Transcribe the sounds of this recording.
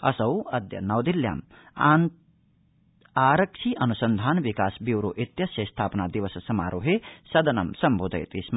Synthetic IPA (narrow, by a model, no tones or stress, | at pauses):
ɐ̰sɐwɐd̪ʱjɐ̰nɐwd̪ilja̰m | aɾɐkʃʰiʔɐnusənd̪ʱaːnbikaːsbiwɾoʔit̪jɐsjɐst̪ʰaːpnad̪iʋɐssɐma̰ːɾʔoɦesɐd̪ʱɐnɐ̰msɐmbʱod̪ʱɐ̰jt̪ism